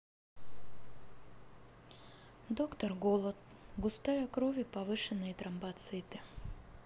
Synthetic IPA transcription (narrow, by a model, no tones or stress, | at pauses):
d̪okt̪ərɡolˠət̪̚ɡʊst̪ajɐkɾovʲɪpɐvɨʂɨnːɨjt̪ɾɐmbɐt̪sɨt̪ɨ